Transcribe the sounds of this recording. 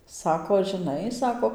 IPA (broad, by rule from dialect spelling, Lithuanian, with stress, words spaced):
ˈsɑːkoː ʒɨˈnɐɪ ˈsɑːkoː